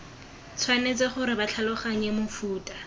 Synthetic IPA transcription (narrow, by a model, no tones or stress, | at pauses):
t͡sʰwanet͡sɪχʊɾɪbat͡ɬʰalʊχaɲɛmʊfuːtʼḁ